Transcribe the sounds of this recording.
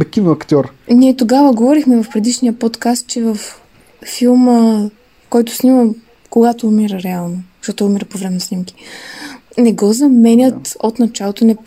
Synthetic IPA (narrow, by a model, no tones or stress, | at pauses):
ɐkivɐkt̪ʲɔɾniɛt̪oɡavəɡovɔɾixmɛvɐfpɾɛd̪iʃniəpot̪kast̪̚t͡ʃɛvɐfː | ilˠmə | kɔjt̪ʊ̥snimə | koɡat̪oːmiɾəɾɛalˠnozɐʃt̪ɔt̪ʊːmiɾəpovɾɛmɛnosnimki̥ | nɛɡɔzɐmɛnʲət̪ot̪nɐt͡ʃalˠot̪onɛ